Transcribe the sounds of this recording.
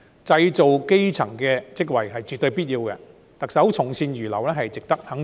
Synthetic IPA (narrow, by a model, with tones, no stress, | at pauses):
t͡sɐ˧jt͡so˨wke˥jt͡sʰɐ˨˩ŋkɛː˧t͡sɪ˥k̬̚wɐ˨˩jɦɐ˨jt͡ʃyː˨t̪ːɵ˧ɥpiː˥t̚jiː˧wkɛ̰˧ | t̪ɐ˨k̚sɐ˨˥wt͡sʰʊ˨˩ŋsiː˧njyː˨˩lɐ˨˩wlɛː˥ɦɐ˨jt͡sɪ˨k̚t̪ɐ˥k̚hɐ˨˥ŋ